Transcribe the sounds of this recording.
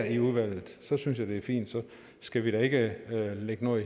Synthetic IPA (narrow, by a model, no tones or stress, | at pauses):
iuðˠʋæl̰ð̩ˠsɒ̽syns̬jɑ̈ɪd̥e̝æɐfḭːnd̥sɒ̽ | sɡ̥æʋiɾ̥æe̝ɡ̥əøleɡ̥ənɔ̰i